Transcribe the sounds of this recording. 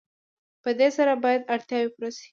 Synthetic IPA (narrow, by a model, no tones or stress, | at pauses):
pəd̪esaɾabɑjad̪aɽt̪jɑwepɾasi̥